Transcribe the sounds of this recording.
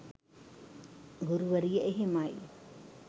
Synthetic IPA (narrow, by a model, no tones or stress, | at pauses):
ɡuɾuʋɐɾijɐʔeɦemaːj